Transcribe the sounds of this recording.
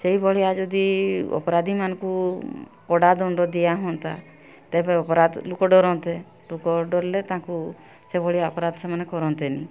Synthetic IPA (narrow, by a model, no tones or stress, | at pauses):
seibɔɭiad͡ʒɔd̪iɔ̰pɔɾad̪ʱimanɔkupɔɽad̪ɔɳɖɔd̪ijaɦɔnt̪a | t̪epɔeɔpɔɾad̪lukɔɖɔɾɔnt̪e | lokɔɖɔɾlet̪ãku | sebɔɭiaɔpɔɾad̪semɔnekɔɾɔnt̪enĩ